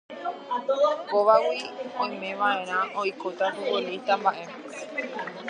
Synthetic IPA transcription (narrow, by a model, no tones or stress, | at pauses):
ɡoʋawiõj̃mẽ̞ʋaʔẽ̞ɾ̃ãojkot̪at̪uoɾejt̪ãmbaʔe